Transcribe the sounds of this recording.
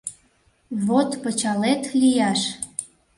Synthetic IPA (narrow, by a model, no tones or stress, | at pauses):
βot̪pət͡ɕɑlet̪lijɑʃ